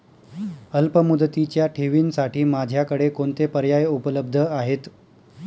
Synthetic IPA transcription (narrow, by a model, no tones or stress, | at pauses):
əlpəmud̪ət̪it͡ɕjaʈʰeʋiːnsaʈiːmad͡ʑʱjakəɽekoɳt̪epəɾjajupələbd̪ʱəaɦet̪